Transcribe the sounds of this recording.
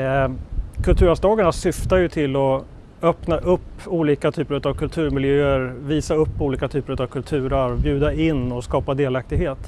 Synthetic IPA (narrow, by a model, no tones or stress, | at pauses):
kʰɵlt̪ʰʉ̟ːɾasd̪ɑːɡaɳasʏft̪ajɵt̪ʰɪlːɔ | œpnaʔɵpːuːliːkat̪ʰyːpəɾɵt̪avkʰɵlt̪ʰʉ̟ːɾmɪljøːəɾviːsaɵpːuːliːkat̪ʰyːpəɾɵt̪avkʰɵlt̪ʰʉ̟ːɾəɾbjʉ̟ːd̪aɪnːɔskɑːpad̪eːlak̚t̪ɪɡheːt̪